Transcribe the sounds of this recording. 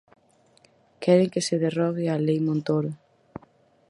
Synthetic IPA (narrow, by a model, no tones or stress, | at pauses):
kɛɾɪŋkeseðerɔβɪalejmõnt̪oɾʊ